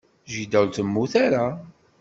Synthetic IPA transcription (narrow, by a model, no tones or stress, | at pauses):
ʒid̪æwlt̪əmːuθaɾa